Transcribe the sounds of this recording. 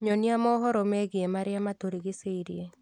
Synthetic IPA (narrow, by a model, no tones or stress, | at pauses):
ɲoniamɔɦɔɾomeɡɪemaɾɪjamat̪oɾiɡɪseiɾɪ̰e